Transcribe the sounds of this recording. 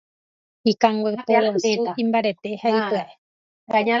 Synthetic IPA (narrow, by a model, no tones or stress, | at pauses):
ikãŋɡʷwepoɾonuĩmbaɾe̞t̪ehaipɨaʔe | aɲa